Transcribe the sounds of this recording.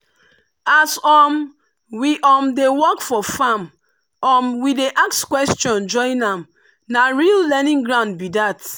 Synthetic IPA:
asɔm | wiʔɔmdewɔkfɔfam | ɔmwideʔakskwɛstɔ̃nd͡ʒɔ̃ɪ̃nãm | naɹillɛnĩŋɡɹãʊ̃nd̚bidat

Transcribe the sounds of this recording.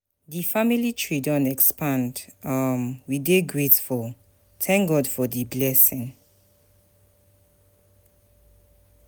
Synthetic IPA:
ðifamilitʰɹidɔ̃nɛkspʰãndʌmwideɡɹetfɔl | θʰɛ̃ŋk̚ɡɔdfɔdiblɛsɪ̃ŋ

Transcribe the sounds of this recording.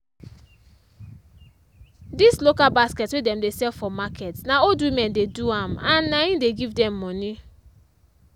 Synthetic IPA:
dislokalbasketwedɛm̩desɛlfɔmakʰetnaodwimɛ̃ndeduamanːaɲĩdeɡivdɛmːɔni

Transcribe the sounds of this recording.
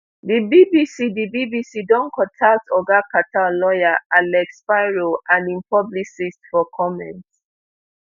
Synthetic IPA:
dibibisidibibisidɔ̃nkʰɔ̃tʰak̚tɔɡakatallɔjaalɛkspaɪɹoʔãnĩmpʰɔbliksistfɔkʰɔmɛ̰̃nt

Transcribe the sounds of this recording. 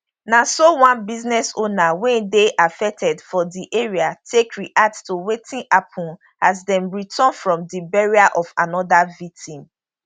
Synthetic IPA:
nasowãnbiznɛsonawɛ̃ndeʔafɛk̚tʰɛdfɔdiʔeɹiatʰekɹiʔattowetĩnʔapʰɔ̃n | azdɛ̃nɹitʰɔ̃nfɹɔ̃mdibɛɹiaʔɔvanɔdavik̚tʰĩm

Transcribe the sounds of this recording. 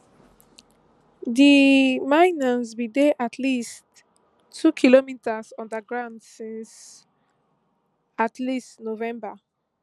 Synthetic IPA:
ðimaɪnəsbideʔatʰlistʰː | ukʰilomitʰəsɔ̃ndəɡɹãʊ̃ndsĩns | atʰlistnovɛ̃mbə

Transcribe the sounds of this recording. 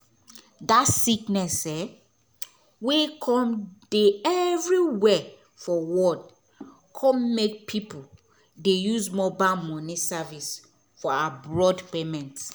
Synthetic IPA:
datsiknɛsɛ | wekʰɔ̃md̥eɛvɹiwɛ | fɔwɔd | kʰɔ̃mmek̚pʰipu | dejuzmɔbamɔnisavis | fɔaabɹɔdpemɛ̃nts

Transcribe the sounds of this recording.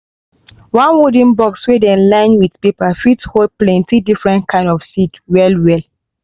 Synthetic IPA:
wãnwudĩnbɔkswedɛ̃nlãɪ̃nwiθpepafithoplɛ̃ntidifɹɛ̃ntkʰãɪ̃ndɔfsitwɛlwɛl

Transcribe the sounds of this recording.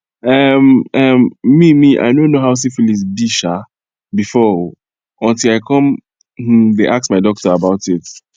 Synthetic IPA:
ʌmʌmːimiʔa̰ɪnonoɦaʊs̬ifulizbiʃa | bifɔ | ɔ̃ntilaɪkʰɔ̃m | mm̩ðeʔasksmaɪdɔk̚təabaʊtɪt

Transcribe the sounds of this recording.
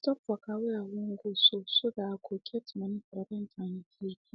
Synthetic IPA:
tɔpfakawejawoŋ̩ɡososoɡakʰokʰɛtʰumãnĩkaɾabɛ̃ntʰãɲĩtʰiɾi

